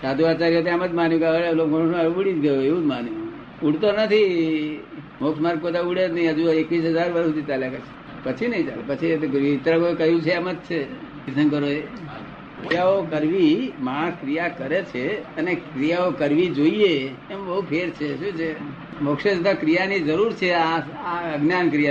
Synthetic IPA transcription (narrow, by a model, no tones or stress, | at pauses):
sad̪ʱuat͡ʃaɾiət̪̬eaməd͡ʒ̪manjũkaʋəɭalokononəɾuɽid͡ʒɡəjoeʋũd͡ʒmanju | uɽt̪onət̪ʰi | moksmaɾɡ̚kod̪auɽed͡ʒnəɦĩəd͡ʒuekʋis̬ɦəd͡ʒaɾʋəɾut̪it͡ʃaljakəɾt͡ʃʰe̥ | pət͡ʃʰinəɦĩt͡ʃa̰lepət͡ʃʰit̪it̪ɾakokəɦjũt͡ʃʰeaməd̪̚t͡ʃʰekɪsənkəɾoe | kɾijaokəɾʋimaɽ̃əskɾijakəɾet͡ʃʰeənekɾijaokəɾʋid͡ʒoijeː | mbəɦupʰeɾt͡ʃʰeʃũt͡ʃʰe | mokʃed͡ʒut̪akɾijanid͡ʒəɾuɾt͡ʃʰeaaəɡnjankɾija